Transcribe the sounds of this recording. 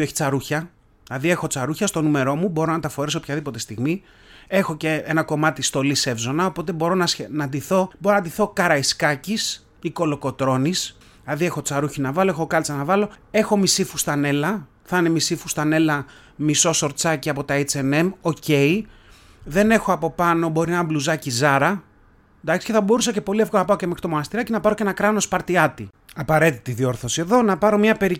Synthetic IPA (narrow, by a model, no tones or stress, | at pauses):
eçi̥t͡sɐɾuçɐ | ɐðie̞xo̞t͡sɐɾuçɐst̪o̞nume̞ɾo̞mubo̞ɾo̞nɐt̪ɐfo̞ɾisopçɐðipo̞t̪est̪iɣmi | e̞xo̞ce̞enɐko̞mɐt̪ist̪o̞lise̞vzo̞nɐopo̞t̪e̞bo̞ɾo̞nɐnɐnd̪iθo̞boɾonɐd̪iθo̞kɐɾɐiskɐcis | iko̞lo̞ko̞t̪ɾo̞nis | ɐðie̞xo̞t͡sɐɾuçinɐvɐlo̞exokɐlt͡sɐnɐvɐlo̞e̞xo̞misifu̥st̪ɐne̞lɐ | θɐne̞misifust̪ɐne̞lɐ | miso̞so̞ɾt͡sɐciɐpo̞t̪ɐit͡sene̞mo̞ce̞i | ðe̞ne̞xoɐpo̞pɐno̞bo̞ɾinɐbluzɐcizɐɾɐ | nd̪ɐksi̥ceθɐbo̞ɾusɐce̞po̞liefɣonɐpɐo̞cemxɾit̪omonɐst̪iɾɐcinɐpɐɾo̞ce̞nɐkɾɐno̞spɐɾt̪iɐt̪i | ɐpɐɾe̞t̪it̪iðio̞ɾθo̞sie̞ðo̞nɐpɐɾo̞mɲɐpe̞ɾi